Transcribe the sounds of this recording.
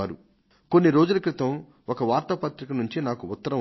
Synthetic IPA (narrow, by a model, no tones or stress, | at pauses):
aːɾu | ko̞nːiɾo̞ːd͡ʒulɐkɾɪt̪ɐm | okɐʋaːɾt̪ɐpɐt̪ɾikɐnuɲt͡ʃinaːkuːt̪ːɐɾɐ